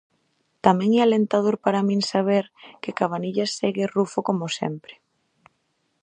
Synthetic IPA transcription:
t̪amɛ̃ŋɛalent̪að̞oɾpaɾamĩŋsaβ̞eɾkɪkaβ̞aniʎaseɣɪrufokomʊsɛ̰mpɾɪ̥

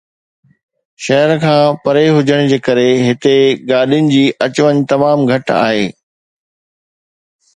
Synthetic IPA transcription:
ʃɐɦəɾkʰãːpɐɾeɦʊd͡ʑʱəɽ̃d͡ʑeːkɐɾeɦɪt̪eɡaːɗijʊnɪ̆d͡ʑiːʔɐt͡ɕʋəɲt̪ɐmaːmɡʱɐʈa̰ːɦeː

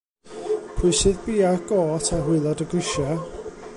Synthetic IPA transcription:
pʰɪsɨðbiːaɡ̥ɔːtʰaɦwɪlˠɔdəɡwɪʃɛ

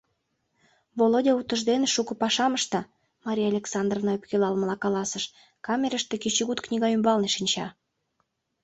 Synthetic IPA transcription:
volodʲɑut̪ə̆ʒd̪eneʃukɤ̆pɑʃɑməʃt̪ɑ | mɑɾʲijɑlʲeksɑnd̪rovnɑepkelɑlməlɑkɑlɑsəʃ | kɑmʲeɾəʃt̪ekit͡ɕiɣut̪knʲiɣɑymbɑlneʃinʲt͡ɕɑ

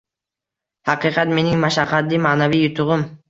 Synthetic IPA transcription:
hɑqɨqʰɑt̪me̞nɪŋmaʃɑqʰːɑt̪ːimaʔnavijʊt̪ʰʊʁʊm

